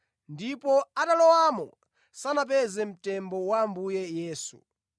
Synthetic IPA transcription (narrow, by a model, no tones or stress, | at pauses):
ndipɔatalɔwamɔ̰ | sanap̬ɛzɛm̩tɛmbɔwambujɛjɛːsu